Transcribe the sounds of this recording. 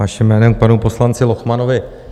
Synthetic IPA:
aʃɪmːɛːnɛmk̚panupo̞slant͡sɪloxmano̞vɪ

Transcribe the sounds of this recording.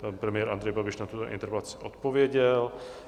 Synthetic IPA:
panpɾɛmɪjɛːɾʔand̪ɾɛjbabɪʃnat̪ut̪oʔḭnt̪ɛɾpɛlat͡sɪ̥ʔot̪povjɛɟɛl

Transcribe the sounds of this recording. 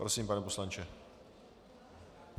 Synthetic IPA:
pɾosiːmpanɛposlant͡ʃɛ

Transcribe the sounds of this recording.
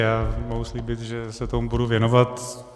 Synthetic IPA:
jaːmoɦusliːbɪt̪ʒɛsɛt̪omubuduvjɛnovat̪

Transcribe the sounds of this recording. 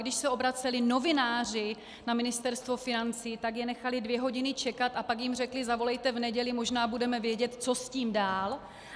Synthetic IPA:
ɡdɪʃsɛʔo̞bɾat͡sɛlɪno̞vɪnaːr̝ɪ | namɪnɪst̪ɛɾst̪vo̞fɪnant͡siːt̪aɡjɛnɛxalɪdvjɛɦo̞ɟɪnɪt͡ʃɛkat̪ʔapakjɪmr̝ɛklɪzavo̞lɛjt̪ɛvnɛɟɛlɪmo̞ʒnaːbudɛmɛvjɛɟɛt̪t͡so̞sciːmdaːl

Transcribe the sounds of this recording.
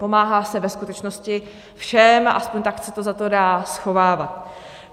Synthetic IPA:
po̞maːɦaːsɛvɛskut̪ɛt͡ʃnoscɪ | fʃɛma̰ʔaspoɲt̪aksɛt̪o̞zat̪o̞daːsxo̞vaːvat̪

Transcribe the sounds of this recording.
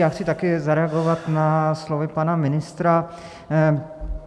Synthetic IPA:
jaksʰit̪akɪzaɾɛaɡɔʋat̪naslɔʋɪpanamɪnɪst̪ɾa

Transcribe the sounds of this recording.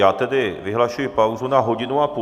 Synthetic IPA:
aːt̪ɛdɪvɪɦlaʃujɪpawzunaɦo̞ɟɪnuap

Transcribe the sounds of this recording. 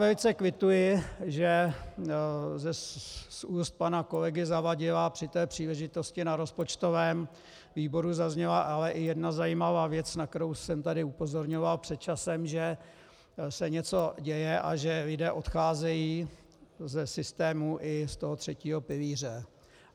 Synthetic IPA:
vɛlɪt͡sɛkvɪt̪ujɪʒɛ | zɛsuːst̪̚panako̞lɛɡɪzavaɟɪlapr̥ɪt̪ɛːpr̝̥iːlɛʒɪt̪o̞scɪnaɾo̞spo̞t͡ʃt̪o̞vɛːm | viːbo̞ɾuzazɲɛlaʔalɛʔɪjɛdnazajiːmavaːvjɛt͡snak̚t̪ɛɾowsɛmt̪adɪupo̞zo̞ɾɲo̞valpr̥ɛt̪̚t͡ʃasɛmʒɛ | sɛɲɛt͡so̞ɟɛjɛʔaʒɛlɪdɛːʔo̞t̪xaːzɛjiː | zɛsɪst̪ɛːmuʔɪst̪o̞ɦot̪r̝̥ɛciːɦo̞pɪliːr̝ɛ

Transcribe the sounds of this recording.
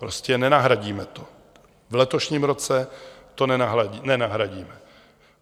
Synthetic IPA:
pɾo̞scɛnɛnaɦɾaɟiːmɛt̪o̞ | vlɛt̪o̞ʃɲiːmɾo̞t͡sɛt̪o̞nɛnaɦɾainɛnaɦɾaɟiːmɛ

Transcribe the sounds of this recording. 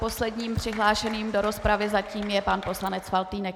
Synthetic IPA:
po̞slɛdɲiːmpr̥ɪɦlaːʃɛniːmdoɾo̞spɾavɪzaciːmjɛpanpo̞slanɛt͡sfalt̪iːnɛk

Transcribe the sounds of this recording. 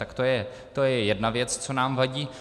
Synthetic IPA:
t̪akt̪ojɛ | t̪o̞jɛjɛdnavjɛt͡st͡so̞naːmvaɟiː

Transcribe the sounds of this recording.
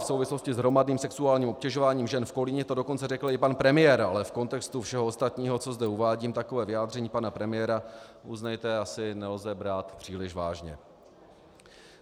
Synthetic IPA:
fsowvɪslo̞scɪzɦɾo̞madniːmsɛksuaːlɲiːmo̞pcɛʒo̞vaːɲiːmʒɛnfko̞lɪɲɛt̪o̞do̞ko̞nt͡sɛrɛkl̩ɪpanpɾɛmɪjɛɾalɛfko̞nt̪ɛkst̪ufʃɛɦoost̪at̪ɲiːɦo̞t͡so̞zdɛuvaːɟiːmt̪ako̞vɛːvɪjaːd̪rɛɲiːpanapɾɛmɪjɛɾaʔuznɛjt̪ɛasɪnɛlzɛbɾaːt̪pr̥iːlɪʃvaːʒɲɛ̰

